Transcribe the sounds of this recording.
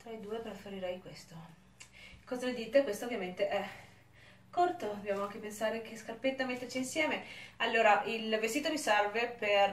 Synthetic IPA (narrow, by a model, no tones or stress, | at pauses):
t̪ɾaed̪uːepɾefeɾiɾɛjkwest̪o | kɔːzaled̪iːt̪ekwest̪oːvjament̪eʔɛ | kort̪od̪objaːmoaŋk̟epensaːɾek̟ʰeskarpet̪ːamet̪ːert͡ʃiinsjɛːmealːoːɾaʔilvest̪iːt̪omisarveper